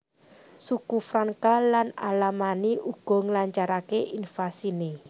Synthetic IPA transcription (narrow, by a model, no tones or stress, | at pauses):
sukufɾaŋkalana̰lamaniʔuɡ̥ɔ̤ŋlaɲt͡ʃaɾakeʔinfasine